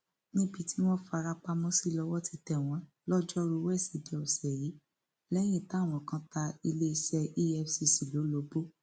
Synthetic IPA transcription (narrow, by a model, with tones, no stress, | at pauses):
nĩ˦bi˧tʰi˦w̃ɔ̃˦fa˧ɾa˧k͡pa˧mɔ̃˦si˦˨lɔ˧wɔ˦ti˧tɛ˨w̃ɔ̃˨˦ | lɔ˦d͡ʒɔ˦ɾu˧wɛ˦˨si˨˦de˨˦ɔ˨sɛ˨ji˨˦ | lɛ˦j̃ĩ˦˨ta˦˨w̃ɔ̃˨kã˦ta˧i˧le˦i˧ʃɛ˧ʔi˦ɛ˦fsi˧si˨lo˨˦lo˧˦bo˦